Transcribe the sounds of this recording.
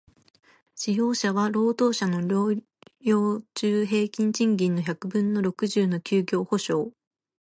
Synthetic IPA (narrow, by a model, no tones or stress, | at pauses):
ɕijo̞ːɕaβaɾo̞ːt̪o̞ːɕano̞ɾo | jʲo̞ːt͡ɕɨːɦe̞ːkʲĩɲt͡ɕĩŋɡʲĩnːo̞çakɯ̟bɯ̟̃nːo̞ɾo̞kɯ̟ʑɨːno̞kʲɨːɡʲo̞ːho̞ɕo̞ː